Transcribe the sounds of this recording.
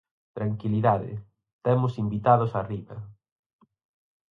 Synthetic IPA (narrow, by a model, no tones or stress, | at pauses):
t̪ɾaŋkiliðaðɪ̰ | t̪ɛmʊsimbit̪aðʊsariβɐ